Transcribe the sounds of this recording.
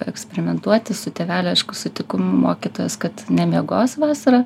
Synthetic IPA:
ɛksʲpʲɛɾʲɪmʲɛnt̪uɔt̪ʲɪsʊt̪ʲeːʋʲæːlʲʊɐɪʃkʊsʊt̪ʲɪkʊmo̰ːkʲit̪oːjɛskɐt̪nʲɛmʲiɛɡoːsʋɑːsɐɾɐ

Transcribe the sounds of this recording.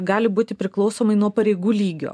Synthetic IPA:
ɡɑːlʲɪbuːt̪ʲɪpʲɾʲɪklˠɒʊsoːmɐɪnuɔpɐɾʲɛɪɡuːlʲiːɡʲo̰ː

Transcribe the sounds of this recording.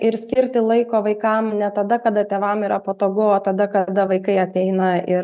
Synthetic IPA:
ʔɪɾsʲkʲɪɾʲt̪ʲɪlˠɐɪkoːʋɐɪkɐmnʲɛt̪ɐd̪ɐkɐd̪ɐt̪ʲeːʋɐmiːɾɐpot̪oːɡʊoːt̪ɐd̪ɐkɐd̪ɐʋɐɪkɐɪɐt̪ʲɛɪnɐɪɾ

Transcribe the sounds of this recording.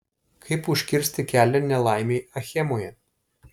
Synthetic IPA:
kʰɐɪpʊʃʲkʲɪɾʲsʲt̪ʲɪkʲæːlʲɛnʲɛlˠɑˑɪmʲeɪɐxʲɛmoːjɛ

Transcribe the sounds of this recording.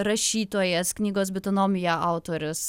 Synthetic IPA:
ɾɐʃʲiːt̪oːjɛsknʲiːɡoːs̬bʲɪt̪onoːmʲɪjɛʔɑˑʊt̪oːɾʲʊs

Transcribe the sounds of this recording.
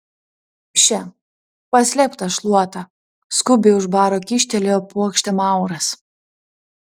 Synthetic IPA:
ʃʲɛ | pɐsʲlʲɛpt̪ɐʃlˠuɔt̪ɐ | skʊbʲeʊʒbɑːɾoːkʲɪʃʲt̪ʲɛlʲeopuɔkʃʲt̪ʲɛmɑˑʊɾɐs

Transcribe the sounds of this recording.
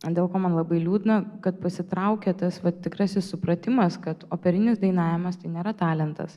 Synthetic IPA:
d̪ʲeːlˠkoːmɐnlˠɐbɐɪlʲuːd̪ʲɪnɐkɐt̪̚pɐsʲɪt̪ɾɐʊkʲɛt̪ɐsʋɐt̪ʲɪkɾɑsʲɪssʊpɾɐt̪ʲɪmɐskɐt̪oːpʲɛɾʲɪnʲɪsd̪ɐɪnɑːʋʲɪmɐst̪ɐɪnʲeːɾɐt̪ɑːlʲɛnt̪ɐ̰s

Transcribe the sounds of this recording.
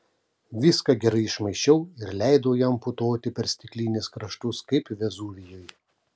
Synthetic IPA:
ʋʲɪskɐɡʲɛɾɐɪɪʃmɐɪʃʲt͡ʃʲɛʊɪɾlʲæɪd̪oːjɛmpʊt̪oːt̪ʲɪpʲɛɾsʲt̪ʲɪklʲiːnʲɪskɾɐʃt̪ʊskɐɪpʋʲɛzuːʋʲɪjoːj

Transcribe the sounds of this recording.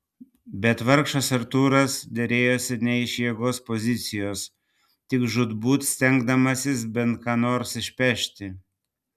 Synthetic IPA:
bʲɛt̪ʋɐɾkʃɐsɐɾt̪uːɾɐsd̪ʲɛɾʲeːjoːsʲɪnʲɛɪʃʲjiɛɡoːspozʲɪt̪sʲɪjoːs | t̪ʲɪkʒʊd̪buːt̪sʲt̪ʲɛŋɡd̪ɐmɐsʲɪsbʲɛnt̪̚kɑːnoːɾsɪʃʲpʲɛʃʲt̪ʲɪ

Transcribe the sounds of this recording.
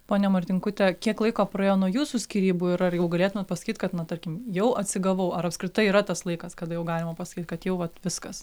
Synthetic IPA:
poːnʲɛmɐrʲt̪ʲɪŋkʊt̪ʲɛkʲiɛklˠɐɪkoːprɐeːjoːnuɔjuːsuːsʲkʲiːɾʲiːbuɪɾɐrjɛʊɡɐlʲeːt̪ʊmʲɛt̪̚pɐsɐ̥kʲiːt̪kɐt̪nɐt̪ɐɾʲkʲɪmjɛʊʔɐt̪ʲsʲɪɡɐʋɐʊʔɐɾɐpskɾʲɪt̪ɐɪiːɾɐt̪ɐslˠɐɪkɐskɐd̪ɐjɛʊɡɑːlʲɪmɐpɐsɐ̥kʲiːt̪̚kɐt̪jɛʊʋɐt̪ʋʲɪskɐs

